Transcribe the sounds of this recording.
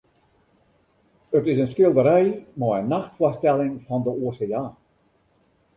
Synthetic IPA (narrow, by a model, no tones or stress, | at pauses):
ətɪsənskɪlˠdəɾɛjmɔjənːaxtfwɔstɛlɪŋfɑndəoəseːaː